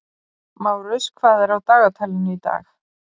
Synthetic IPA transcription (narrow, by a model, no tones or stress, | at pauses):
maːwɾʏskʰvaːðɛɾawt̪aːɣat̪ʰaːlɪnʏit̪a̰ːx